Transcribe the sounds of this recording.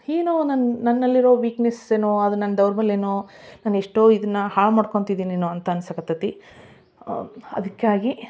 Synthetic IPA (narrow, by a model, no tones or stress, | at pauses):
eːnunannɐnːɐlːiɾo̞ːʋiːkneseːnoːɐd̪unɐnːɐd̪ɐwɾbɐlːeːnonaːneʂʈoːid̪ɐnːɐhaːɭmɐɽkoɳt̪id̪iːneːnuɐnt̪ɐɐnsɐkɐt̪ɐt̪i | ɐ̰d̪ɐkːaːɡi